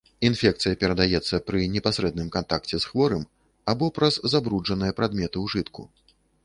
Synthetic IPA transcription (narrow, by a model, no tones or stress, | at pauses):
infʲɛk̚t̪sɨjɐpʲɛɾɐd̪ajɛt̪sːɐpɾɨnʲɛpasɾɛd̪nɨmkant̪ak̚t͡sʲɛsxvɔɾɨm | abɔpɾɐzːabɾud͡ʐɐnɨjɐpɾad̪mʲɛt̪ɨwʐɨt̪kṵ